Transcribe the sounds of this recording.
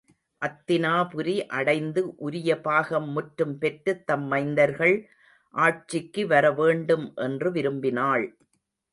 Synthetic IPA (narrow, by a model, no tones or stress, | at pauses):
ʔɐt̪ːɪnaːpʊɾiʔɐɽɐɪnd̪ɯʔʊɾɪjɐpaːɣɐmːʊʈːɾɯmpɛʈrɯt̪ːɐmːɐɪnd̪ɐɾɣɐɭ | ʔaːʈ̚t͡ʃːɪkːɯʋɐɾɐʋeːɳɖɯmʔɛndrɯʋɪɾɯmbɪnaːɭ